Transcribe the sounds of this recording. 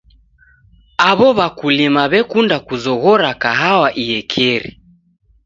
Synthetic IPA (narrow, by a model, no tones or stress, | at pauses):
aβɔβakulimaβɛkundakuzɔɣɔɾakaɦawaʔijɛkʰɛɾḭ